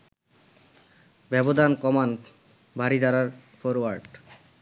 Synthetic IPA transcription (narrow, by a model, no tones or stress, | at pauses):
bɛbod̪ʱankɔman | baɾid̪aɾaɾfoɾwaɾɖ